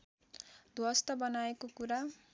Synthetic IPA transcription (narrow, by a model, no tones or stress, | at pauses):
d̪ʱwʌst̪ʌbʌnaekokuɾa